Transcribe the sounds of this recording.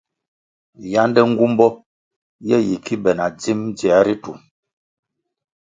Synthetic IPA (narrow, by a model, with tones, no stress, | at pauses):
ja˦ndɛ˦ŋ̩˦ɡu˦m˦bɔ˦ | jɛ˦ji˨ki˦bɛ˨na˨d͡zi˦md͡zja˨˦ɾi˦tu˨m